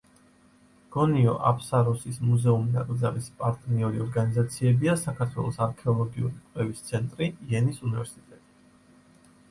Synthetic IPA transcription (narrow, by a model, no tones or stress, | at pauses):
ɡ̥ɔniɔ̰ʔapʰʼsaɾɔsismuzɛuminaɡʼɾd̪zalispʼaɾt̪ʼniɔɾiɔɾɡanizat̪sʰiɛbiasakʰaɾt̪ʰwɛ̰lˠɔsaɾkʰɛɔlˠɔɡiṵɾikʼlɛvist̪sʰɛnt̪ʼɾiiɛnisunivɛɾsit̪ʼɛt̪ʼi̥